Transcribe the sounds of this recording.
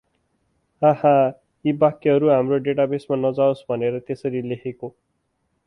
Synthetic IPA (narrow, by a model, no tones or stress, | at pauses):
ãhã | ibakːeɦʌɾuɦamroɖeʈabesmanʌd͡zaosbʱʌneɾʌt̪esʌɾilekʰeko